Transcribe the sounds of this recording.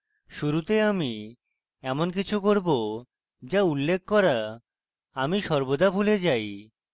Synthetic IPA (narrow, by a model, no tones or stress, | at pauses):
ʃuɾut̪eami | ɛmonk̬it͡ɕʰukoɾbo | d͡ʑaulːek̚ʰkɔɾa | amiʃɔɾbod̪abʱuled͡ʑaj